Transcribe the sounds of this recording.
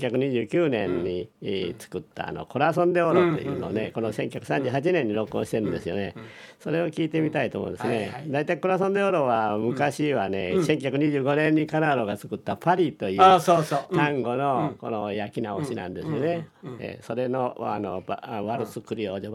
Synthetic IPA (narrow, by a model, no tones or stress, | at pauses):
çakɯ̟ɲ̟iʑɨːkʲɨːnẽ̞̰ɲɲit͡sɨ̥kɯ̟t̪ːa̰a̰no̞̰ko̞ɾasõ̞nd̪e̞oɾot̪ːe̞̰jɯ̰ːno̰ːneko̞noseŋkʲi̥hḁkɯ̟sãɲ̟d͡ʑɨːhat͡ɕinẽ̞ɲ̟ːiɾo̞kɯõɕi̥t̪e̞ɾɯ̟nd̪e̞sɨjo̞̰ne̞̰so̞ɾe̞o̞kʲiːt̪e̞mʲit̪ait̪oːmõ̰d̪esɨned̪ait̪aiko̞ɾas̬õnd̪eoɾo̞βamɯ̟kaɕiβane̞̰sẽŋk̬ʲiçhakɯ̟ɲ̟iʑɨːɡo̞nẽ̞ɲ̟ːikanaɾo̞ɡat͡sɨ̥kɯ̟t̪ːapʰaɾʲit̪o̞jɯoot̪ãŋɡo̞no̞ko̞nojakʲinaoɕinã̰nd̪e̞sɨjone̞ḛso̞ɾe̞noa̰no̞̰bβaɾɯsɨkɯɾʲioːd͡ʑo